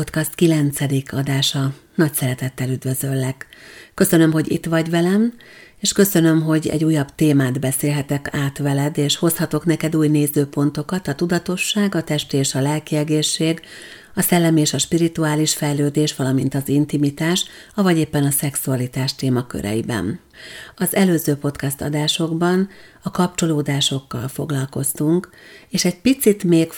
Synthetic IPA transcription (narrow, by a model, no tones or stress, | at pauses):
pot̪kɒst̪kilɛnt̪sɛd̪ikʰɒd̪aːʃɒ | nɒcsɛɾɛt̪ɛt̪ːɛlyd̪vø̞zø̞lːɛkːø̞sø̞nø̞mɦo̞ɟḭt̪ʋɒɟvɛlɛmeːʃkø̞sø̞nø̞mɦo̞ɟɛ̰ɟuːjːɒbt̪eːmaːd̪bɛseːlɦɛt̪ɛkaːt̪ʋɛlɛd̪eːʃho̞shɒt̪o̞knɛkɛd̪uːjneːzøːpo̞n̪t̪o̞kɒt̪ɒt̪ud̪ɒt̪o̞ʃːaːɡɒt̪ɛʃt̪eːʃɒlɛlkiɛɡeːʃːeːɡ | ɒsɛlːɛmieːʃɒʃpiɾit̪uaːliʃfɛjløːd̪eːʃʋɒlɒmint̪ɒzint̪imit̪aːʃ | ɒvɒɟeːpːɛnɒsɛksuɒlit̪aːʃt̪eːmɒkø̰ɾʔɛ̰jibɛ̰n | ɒzɛløːzøːpo̞t̪kɛst̪ɒ̰d̪aːʃo̞ɡbɒn | ɒkɒp̚t͡ʃo̞loːd̪aːʃo̞kːɒ̰lfoɡlɒlko̞st̪uŋkeːʃɛɟ̚pit̪sit̪meːk